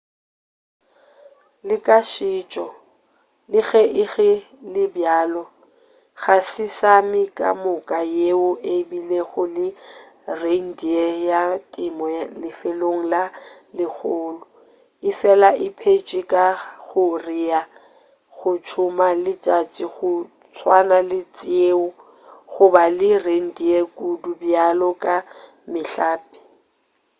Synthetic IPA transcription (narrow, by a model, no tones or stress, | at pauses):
lɪkʼaʃɪːt͡ʃʼɔ | lɪɣɛʔɪɣɛ | lɪbjaːlɔ | ɣasɪsamɪkʼa̰mʊkʼajeʊʔebileɣʊlɪreŋ̩diɛjatʼɪmɔlɪfeloŋ̩lalɪk͡xʰʊːlʊ | ɪfɛlaʔɪpʰet͡ʃʼɪkʼaɣʊrɪa | ɣʊt͡ʃʰʊmalɪt͡ʃʼat͡ʃʼiɣʊ | t͡sʰwanalɪt͡sʼeʊ | ɣʊbalɪreŋ̩diekʼudubjalɔkʼa | mɪɬaːpʼɪ̥